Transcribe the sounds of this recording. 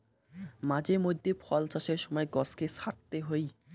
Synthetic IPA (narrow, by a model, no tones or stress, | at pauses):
mad͡ʑeɾmod̪ʱːepʰɔlt͡ɕaʃeɾʃɔmɔeɡɔskesaʈ̚t̪eɦoj